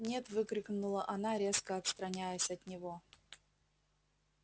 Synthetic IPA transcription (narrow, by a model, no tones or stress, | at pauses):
nʲe̞t̪vɨkɾʲɪknʊlˠəʔɐnaɾʲe̞skəɐt̪st̪ɾɐnʲæjəsʲɐt̪nʲɪvo